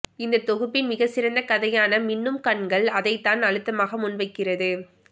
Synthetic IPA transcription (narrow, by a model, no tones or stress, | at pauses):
ɪnd̪ɐt̪ːɔɣɯpːɪnmɪɣɐsɪɾɐnd̪ɐkɐðɐjaːnɐmɪnːɯmkɐɳɡɐɭɐðɐɪt̪ːaːnɐɻɯt̪ːɐmaːɣɐmʊnʋɐɪkːɪrɐðɯ